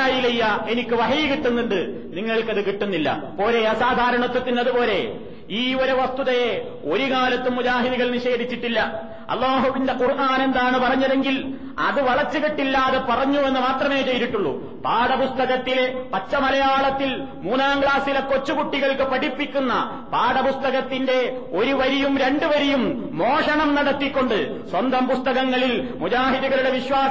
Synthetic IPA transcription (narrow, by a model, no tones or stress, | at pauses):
aːjilejːɐe̞nikʲːɨʋɐɦɐjikiʈːunːuɳɖɨ | niŋːɐɭkɐðɨkiʈːunːilːɐ̰po̞ːɾeɐsaːd̪ʱaːɾɐɳɐt̪ːɐt̪ːinɐðupo̞ːle̞ | iːoɾeʋɐst̪uðɐje | o̞ɾukaːlɐt̪ːumːud͡ʑaːɦiðiɣɐɭniʂe̞ːd̪ʱit͡ɕːiʈːilːɐ | ɐ̰lːaːɦuʋindequrʔaːne̞nd̪aːɳɨpɐrɐɲːɐðe̞ŋɡil | ɐ̰ðɨʋɐɭɐt͡ɕːɨkiʈːilːaːðepɐrɐɲːue̞nːɨmaːt̪rɐme̞ːt͡ɕe̞jt̪iʈːuɭːṵ | paːɽɐpust̪ɐɣɐt̪ːilepɐt͡ɕːɐmɐlɐjaːɭɐt̪ːil | muːnaːŋɡɭaːsilɐkot͡ɕːukuʈːiɣɐɭkɨpɐɽipːikʲːunːɐ̰ | paːɽɐpust̪ɐɣɐt̪ːinde̞ | o̞ɾuʋɐɾijumɾe̞ɳɖɨʋɐɾijumː | oːʂɐɳɐmnɐɽɐt̪ːikʲːo̞ɳɖɨ | swɐnd̪ɐmpust̪ɐɣɐŋːɐɭilmud͡ʑaːɦiðiɣɐɭuɽe̞ʋiɕwaː